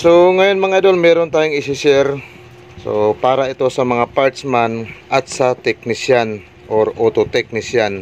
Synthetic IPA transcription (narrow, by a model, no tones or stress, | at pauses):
soŋajonmɐŋaad̪onmɛːɾont̪aːjoŋɪsɪsɛɾ | so̰paːɾaʔɪt̪osɐmɐŋapaɹt̪smanʔat̪̚sat̪ɛk̚nɪsjan | ʔoɾot̪ot̪ɛk̚nɪsjan